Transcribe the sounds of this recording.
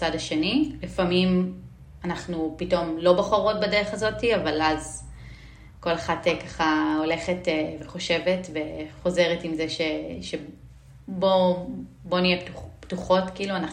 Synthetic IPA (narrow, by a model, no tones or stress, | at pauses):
t͡sadhaʃe̞nilifamim | anaχnupito̞mlo̞baχoʁo̞t̚badeʁeχazo̞tiavalaz | ko̞leχatekaχao̞le̞χeteveχo̞ʃe̞ve̞tve̞χo̞ze̞ʁetimzeʃe̞ʃe | bo̞ | bo̞nijeptuptuχo̞tkiiːluanaχ